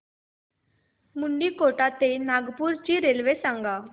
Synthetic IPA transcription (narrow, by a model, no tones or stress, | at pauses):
muɳɖiːkoʈat̪enaɡpuːɾt͡ɕiːɾelʋesaŋɡa